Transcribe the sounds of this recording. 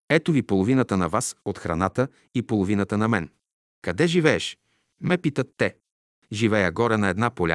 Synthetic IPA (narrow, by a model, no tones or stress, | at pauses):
ɛt̪ovipolˠovinət̪ənɐvasot̪xɾɐ̰nat̪ə | ipolˠovinət̪ənɐmɛn | kɐd̪ɛʒivɛɛʃ | mɛpit̪ət̪ːɛ | ʒivɛjəɡɔɾɛnɐɛd̪napolʲa̰